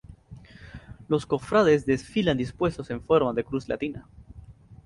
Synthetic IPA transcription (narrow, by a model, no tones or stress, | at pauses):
lo̞sko̞fɾaðezðe̞sfiland̪ispwe̞st̪o̞se̞ɱfo̞ɾmaðekɾuzla̰t̪ina